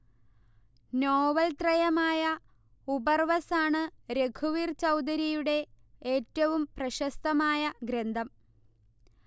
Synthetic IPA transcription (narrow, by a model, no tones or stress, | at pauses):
noːʋɐlt̪rɐjɐmaːjɐ | ubɐrʋɐsaːɳɨɾe̞kʰuʋiːrt͡ɕɐwd̪ɐɾijuɽe̞ | eːtːɐʋumprɐɕɐst̪ɐmaːjɐɡɾend̪ʱɐm